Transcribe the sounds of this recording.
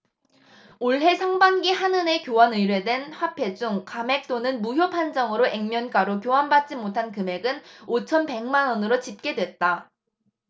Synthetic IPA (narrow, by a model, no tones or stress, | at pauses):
oɭɦe̞sʰaŋbaŋɡihanɯne̞kjowʌnɯjɾwe̞dwe̞nɸwapʰe̞d͡ʑuŋkame̞k̚t͈onɯnmuɦjopʰand͡ʑʌŋɯɾoʔe̞ŋmjʌnk͈aɾokjoɦanbat̚t͡ɕ͈imotʰankɯme̞ɡɯnot͡ɕʰʌnpe̞ŋmanʌnɯɾot͡ɕip̚k͈e̞dwe̞t̚t͈a